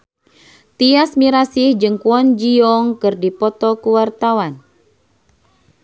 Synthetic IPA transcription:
t̪iasmiɾasihd͡ʒɨŋkuɔnd͡ʒiɔŋkɨrdipɔt̪ɔkuwart̪awan

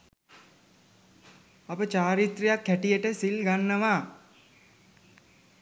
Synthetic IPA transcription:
ɐpət͡ʃaːɾit̪rijakʰːæʈijəʈəsilɡanːəʋaː

